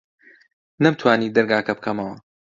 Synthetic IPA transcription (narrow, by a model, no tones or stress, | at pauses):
nɐbt̪ʰwaːniːd̪ɐɾɡaːkɐbɨkʰɐmɐwɐ